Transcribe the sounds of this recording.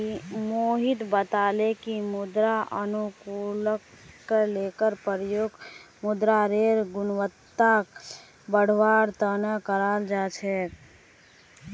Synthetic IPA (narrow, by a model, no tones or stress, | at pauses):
imoːɦit̪bət̪aːlekimʊd̪ɾaənukuləkː | əleːkəɾpəɾjoɡ | mʊd̪ɾaɾeɾɡʊnwət̪ːak | bəɽ̤ʋaːɾt̪ənəkəɾaːld͡ʒaːt͡ʃʰɛ